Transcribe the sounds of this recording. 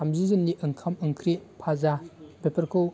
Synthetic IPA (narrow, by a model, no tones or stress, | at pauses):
amzizɯnːiʔɯŋkʰamɯŋkʰɾipʰazabepʰɐɾkʰow